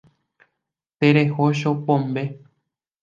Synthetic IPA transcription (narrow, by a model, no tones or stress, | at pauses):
t̪eɾehoʃ̬opõmbe̞